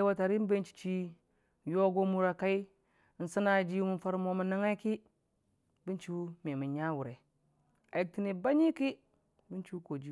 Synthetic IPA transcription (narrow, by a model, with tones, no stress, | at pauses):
wa˦ta˨ɾi˦m˦be˦nt͡ʃi̥˨t͡ʃi˦˨ | jo˦ɡo˦mu˨ɾa˨ka˦i˦ | n̩˨sa˦na˨d͡ʒi˦mu˦˨˦fa˦ɾmo˨mu˨na˦ŋa˦i˦ki˦ | bi˦nt͡ʃi˦u˦me˨mu˨ɲa˦wu˨ɾe˨ | a˨ji˨k̚ti˦ni˨ba˦ɲi˦ki˦ | bi˦nt͡ʃi˦u˦ko˨d͡ʒi˦